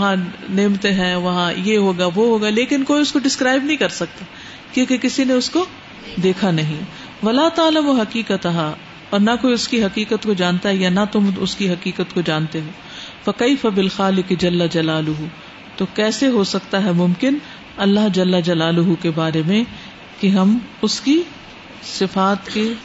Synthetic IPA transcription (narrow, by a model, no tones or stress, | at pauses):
ɐɦãneːmt̪eɦɛ̃ʋɐɦãjeɦoːɡaʋoɦoːɡaleːkɪnkoːiʊskoɖɪskɾaːɪb̚nɐɦĩkɐɾsɐk̚t̪aː | kjoːkekɪsineʊsko | d̪eːkʰanɐɦĩ | ʋɐlaːt̪aːlɐmʊɦɐqiːqət̪ɐɦa | ɔːɾnɐkoːiʊskiɦɐkiːkət̪kod͡ʒãːnt̪aɦɛjanɐt̪ʊmʊskiɦɐkiːkət̪kod͡ʒãːnt̪eɦoː | fɐkeɪfɐbɪlxaːlɪkɪd͡ʒɐlːɐd͡ʒɐlaːlʊɦu | t̪okɛːseɦosɐkt̪aɦɛmʊ̃mkɪn | ɐlːaɦd͡ʒɐlːɐd͡ʒɐlaːlʊɦukebaːɾemẽ | keɦɐmʊski | sɪfaːt̪ke